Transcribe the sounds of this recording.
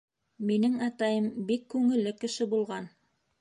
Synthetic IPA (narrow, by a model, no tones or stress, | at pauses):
minɘŋɑt̪ɑjɤmbikːʉŋɘ̆lːɘkɘ̆ʃɘbulˠʁɑn